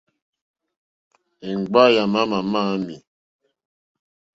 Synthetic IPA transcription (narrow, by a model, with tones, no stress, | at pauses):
e˨ŋ˨ɡ͡ba˦ja˨ma˦ma˨ma˦mi˨